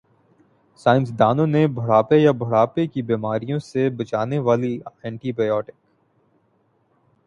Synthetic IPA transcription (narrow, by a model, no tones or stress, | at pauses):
saːɪ̃ns̬d̪aːnõnebʱʊɽaːpejabʱʊɽaːpekibiːmaːɾijõsebɐt͡ʃaːneʋaːliɛ̃ːɳʈibaːjɔːʈɪk